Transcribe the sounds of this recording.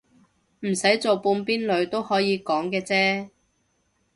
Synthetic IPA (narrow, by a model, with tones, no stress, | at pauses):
m̩˨˩sɐ˨˥jt͡so˨wpuː˧npiː˥nlɵ˨˧ɥt̪o˥whɔː˨˥jiː˨˧kɔː˨˥ŋkɛː˧t͡sɛː˥